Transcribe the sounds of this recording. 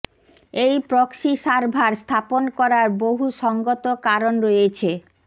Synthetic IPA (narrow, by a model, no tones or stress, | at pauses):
ejpɾɔkʃiʃaɾbʱaɾst̪ʰaponkɔɾaɾboɦuʃɔŋɡot̪okaɾonɾojet͡ɕʰe